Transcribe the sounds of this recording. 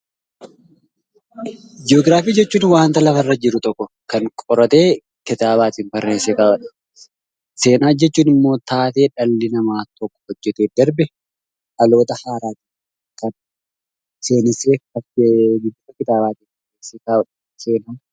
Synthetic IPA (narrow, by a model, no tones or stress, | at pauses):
d͡ʒɪoːɡɾaːfiːd͡ʒɛt͡ʃːuːnwaːnt̪ɐlɐfɐrːɐd͡ʒɪɾʊt̪ʼɔkːɔ | kɐŋkʼɔɾɐt̪eː | kɪt̪aːbaːt̪iːnpɐɾːeːnsekaːbɐᶑɐ̥ | se̞ːnaːd͡ʒɛt͡ʃːuːnɪmːo̞ːt̪aːt̪e̞ːᶑɐlːɪnɐmaːt̪ɔkːɔ̥hɔd͡ʒːɛt̪eːd̪ɐɾbɛ | ɐlo̞ːt̪ɐhaːɾaːt̪i̥ | kɐn | se̞ːnɪseːɐɡɪd̪ːʊfɐkɪt̪aːbaːt̪iːnpɐɾeːseːkaːbɐᶑɐ̥ | se̞ːnaː